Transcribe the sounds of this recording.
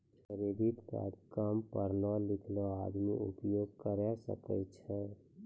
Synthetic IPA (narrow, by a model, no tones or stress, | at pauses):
kəɾed̪it̪ka̰t̪kəmpəɾnɔlɪkʰlɔad̪miʊ̰pjoɡ̚kəɾɛsə̰kɛ̰t͡ʃʰɛ